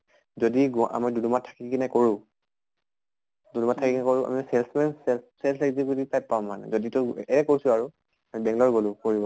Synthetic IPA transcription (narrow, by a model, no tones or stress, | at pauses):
zodiɡɔʔa̰midudumatʰḁkikinɛkoɹʊ̃ | dunumatʰːakiknɛkoɹʊʔa̰misɛlsmɛnsɛsɛlsɛkzikutipajpːaʊ̃mːanɛ̰zoditʊɛɛkoɹisʊaɹu | amibɛŋlɔɹɡolʊ̃koɹibɔ